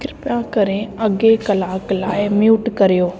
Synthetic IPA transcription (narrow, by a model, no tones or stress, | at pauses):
kɪɾɪpjãːkəɾẽːəɡeːkəlaːklaːemjuːʈkəɾjoː